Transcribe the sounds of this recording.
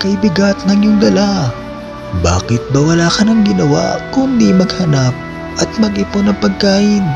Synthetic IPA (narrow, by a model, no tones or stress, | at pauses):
kɐʔɪbɪɡat̪ŋɐŋjʊŋd̪ɐla | ba̰ːkɪt̪̚bɐwɐlaːkɐnɐŋɡɪnɐwa̰kʊnd̪imɐɡhɐnap̚ | ʔɐt̪̚mɐɡʔɪponɐŋpɐɡ̚kaːʔɪn